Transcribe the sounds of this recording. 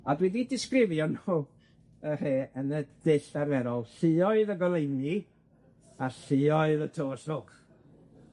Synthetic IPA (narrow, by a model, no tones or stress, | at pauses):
adwididɪskrɪvjɔnu | ər̥eːənəd̥ɪɬaɾɛɾɔlˠɬɪɔɨðəɡɔlˠejni | aɬɪɔɨðətʰoːsʊk